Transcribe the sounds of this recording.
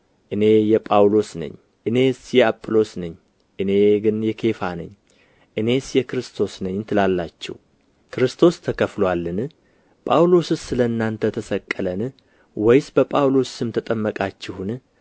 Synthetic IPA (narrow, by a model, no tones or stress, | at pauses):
ʔɨne̞jɛpʼawlo̞snə̰ɲ | ʔɨne̞sjɛapʼːlo̞snɨɲː | ʔɨne̞ɡɨnjɛkʰe̞fanɨ̰ɲː | ʔɨne̞sjɛkɾɨst̪ʰo̞snəɲt̪ʰɨlalːat͡ʃːɛ̰w | kɨɾɨst̪ʰo̞st̪ʰəkəflowalːɨn | pʼawlo̞sɨsɨləɨnːant̪ʰət̪ʰəsəkʼːələn | wɔjsbəpʼawlo̞sɨmt̪ʰət̪ʼəmːəkʼat͡ʃːɪhun